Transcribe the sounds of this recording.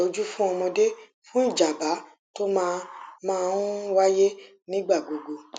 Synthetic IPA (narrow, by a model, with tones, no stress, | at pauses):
o˨˧d͡ʒu˦fũ˦ɔ˧mɔ̃˧de˦ | fũ˦n̩˦˨d͡ʒa˨ba˨˦ | to˦mãː˧˦˧mãː˦˧u˦wa˦je˦ | nĩ˦ɡ͡ba˦˨ɡo˨ɡo˧